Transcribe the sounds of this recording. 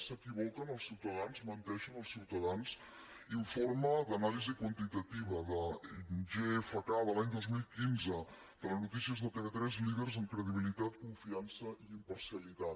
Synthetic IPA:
səkiβ̞ɔkənəlˠsiwt̪əðanzmənt̪ɛʃənəlˠsiwt̪əðans | iɱforməd̪ənalizikwənt̪it̪ət̪iβ̞əðəʒefəkaðəlaɲd̪ozmilˠkinzə | d̪̥ələznut̪isiəzðət̪eβet̪ɾɛzliðərzəŋkɾəðiβ̞ilit̪at̪kuɱfiansəiimpəɾsiəlit̪at̪

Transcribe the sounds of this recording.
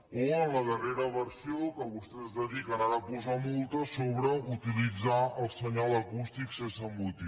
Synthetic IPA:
oənləðəreɾəβərsiokəβust̪ɛzdəðikənaɾəpuzamolˠt̪əsoβɾəut̪ilid͡zaəlˠsəɲaləkust̪iksensəmbut̪i

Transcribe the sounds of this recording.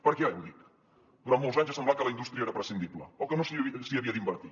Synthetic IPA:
pəɾkeajβulik | d̪uɾant̪molzaɲzasemblakəlɐinust̪ɾijɐeɾɐpɾəsind̪iβlə̰okənõsisiɐβiɐðimbəɾt̪i

